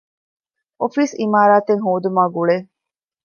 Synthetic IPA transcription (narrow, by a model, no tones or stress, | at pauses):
ofiːsimaːɾaːt̪eŋɦoːd̪umaːɡuɭeː